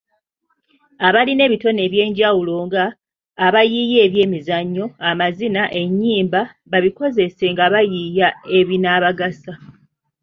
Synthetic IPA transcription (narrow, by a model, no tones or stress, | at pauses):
aβaline̞ːβito̞neːβje̞ːɲɟawulo̞ŋɡaː | βajije̞ːβje̞ːmizaɲːo̞amazinaʔe̞ɲːiːmba | βaβiko̞ze̞se̞ŋɡaβajijae̞βinaːβaɡasa